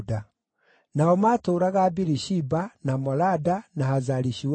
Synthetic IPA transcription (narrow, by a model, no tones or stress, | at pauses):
da | naɔmatoːɾaɣaːbiɾiʃibanamɔladanahazaɾiʃiw